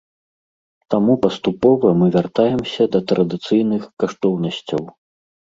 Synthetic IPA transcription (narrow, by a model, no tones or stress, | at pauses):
t̪amupɐst̪upɔvɐmɨvʲart̪ajɛmsʲɐd̪ɐt̪ɾʔɐd̪ɨt̪sɨjn̪ɨxkaʂt̪ɔwnɐsʲt͡sʲɐw